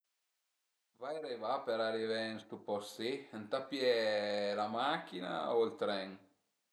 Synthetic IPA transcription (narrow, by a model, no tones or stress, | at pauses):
vajɾevapeɾaɾivenst̪upɔsint̪apːjɛlamakːina̰oilt̪ɾɛn